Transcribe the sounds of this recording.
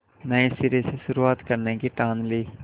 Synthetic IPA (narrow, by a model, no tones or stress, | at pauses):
nəẽsɪɾeseʃʊɾuaːt̪kəɾnekiʈãːnleː